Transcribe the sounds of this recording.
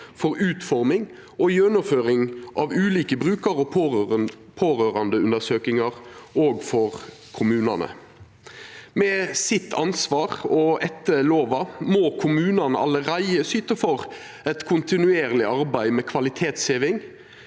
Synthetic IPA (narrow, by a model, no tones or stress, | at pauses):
fɔɾʉːt̪fɔɾmɪŋ | ʔɔjɛnʊmføːɾɪŋʔɑʋʉːliːkəbʁʉːkəɾɔ | pʰoːɾøːɾɑnd̪əʉnd̪əsøːkɪŋɑʁoːɡfɔʁ | kʰʊmʉːnɑ̰nə̰ | mɛsɪt̪ʰːɑnsʋɑːʁɔɛt̪ːəloːʋɑmɔkʰʊmʉːnɑnəʔɑ̰lːəɾæɪəsyːt̪əfɔʁ | ɛt̪kʰʊnt̪ɪnʉeːɾlɪɑɾbæɪmɛkʰʋɑlɪt̪ʰeːt̪sheːʋɪŋ